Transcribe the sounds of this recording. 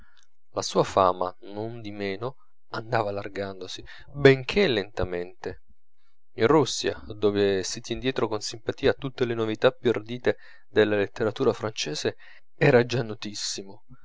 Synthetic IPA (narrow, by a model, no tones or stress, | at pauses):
lasuːafa̰ːma̰ | nond̪imeːno | and̪aːvalarɡand̪osi | beŋkʰelːent̪ament̪e | inrusːja̰d̪oːvesit̪jɛnd̪jɛːt̪ɾokonsimpat̪iːat̪ːut̪ːelenovit̪apːjurd̪iːt̪e | d̪elːalet̪ːeɾat̪uːɾafɾant͡ʃɛːze | ɛːɾad͡ʒanːot̪isːimo